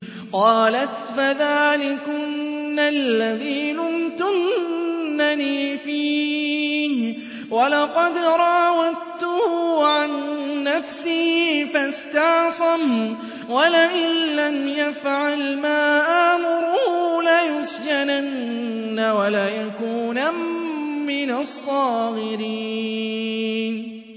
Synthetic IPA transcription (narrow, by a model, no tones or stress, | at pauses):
qɑːlat̪faðaːlɪkʊnːalːaðiːlʊmt̪ʊnː | aniːfiː | h | walɑqɑd̪ɾˤɑwat̪ʊhʊʕanːafsiːfast̪ɑʕsˤɑm | walaʔɪnlamjafʕalmaːʔaːmʊɾʊhʊlajʊsd͡ʒananː | awalaːjakuːna | mɪnasˤːɑːɣɪɾiː | n